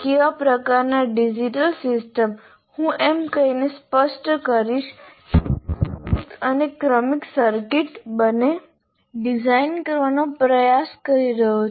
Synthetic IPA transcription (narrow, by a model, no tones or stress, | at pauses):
keʋapɾəkaɾnaɖid͡ʒiʈəlsɪsʈəm | hũʔemkəinespəʃʈkəɾiʃ | t̪ənekɾəmiksəɾkiʈbəne | ɖid͡ʒainkəɾʋanopɾəjaskəɾiɾəɦo